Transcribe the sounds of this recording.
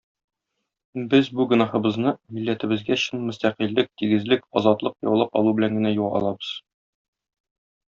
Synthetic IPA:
bɘzbuɡɵ̆nɑhɤ̆bɤ̆znɤmilːæt̪ɘ̆bɘ̆zɡæɕɤnmɵ̆st̪æqilːɘk̚t̪iɡɘ̆zlɘkɒzɑt̪lˠɤqjɒwlˠɑpɒ̰lˠubɘ̆læŋɡɘ̆næjuɒ̰lˠɑbɤz̥

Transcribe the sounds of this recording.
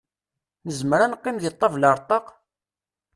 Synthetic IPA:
nəzmɾanqːimjət̪ˤːɑvləɾˤt̪ˤɑq

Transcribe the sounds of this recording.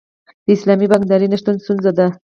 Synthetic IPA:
d̪̥əislamibaŋd̪aɾinaʃt̪ənsunzad̪a

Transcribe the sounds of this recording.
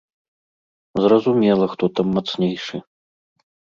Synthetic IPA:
zrɐzumʲɛlˠɐxt̪ɔt̪amːat̪snʲejʂɨ

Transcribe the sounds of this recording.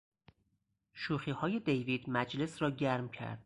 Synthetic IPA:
ʃuːxiːhɒːje̞d̪ejviːd̪̥mæd͡ʒle̞sɾɒːɟæɾmcʰæ̰ɾd̪̥̚

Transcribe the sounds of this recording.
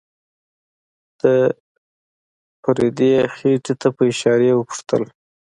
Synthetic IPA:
d̪̥ə | paɾed̪exeʈet̪ʰapəɪʃɑɾewəpʊ̥ʂt̪ə̰l

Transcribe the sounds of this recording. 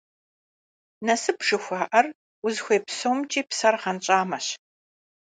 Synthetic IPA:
nɐsɨpʂɨxʷɑːʔɐr | ʊzxʷeːpsowmt͡ʃʼiːpsɐrʁɐnt͡ʃʼaːmɐɕ

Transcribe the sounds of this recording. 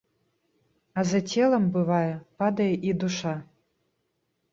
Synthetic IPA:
azɐtʰʲelˠɐmbɨvajɛpad̪ɐjɛʔid̪uʂa

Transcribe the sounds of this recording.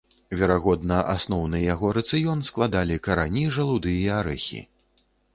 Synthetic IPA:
vʲɛɾaɣɔd̪nɐʔa̰snɔwnɨjaɣɔɾɐt̪sɨjɔnsklˠad̪alʲikɐɾanʲiʐɐlˠud̪ɨjjɐaɾɛ̰xʲḭ

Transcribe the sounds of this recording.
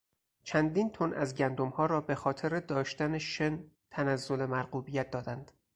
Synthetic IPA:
t͡ʃʰænd̪int̪ʰonʔæzɟænd̪omhɒːɾɒːbe̞xɒːt̪ʰe̞ɾed̪ɒːʃt̪æneʃent̪ʰænæzːo̞le̞mæɾɢuːbijæt̪̚d̪ɒːd̪ænd̪̥

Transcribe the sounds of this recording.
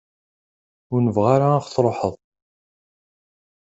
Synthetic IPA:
ʊɾnəvʁaɾaːχθɾˤoħəðˤ

